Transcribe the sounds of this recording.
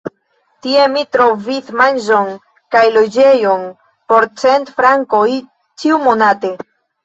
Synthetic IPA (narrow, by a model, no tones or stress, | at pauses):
tie̞mitɾo̞vismanʒo̞n | kajlo̞d͡ʒe̞jo̞n | po̞ɾt͡se̞ntfɾaŋko̞j | t͡ʃiumo̞nate̞